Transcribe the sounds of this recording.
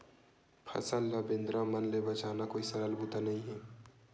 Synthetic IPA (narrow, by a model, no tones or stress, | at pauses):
pʰɐ̰səlːəbẽnd̪ɾãmənlebət͡ʃaːnakoːisəɾəlbut̪anɐɦĩɦɛː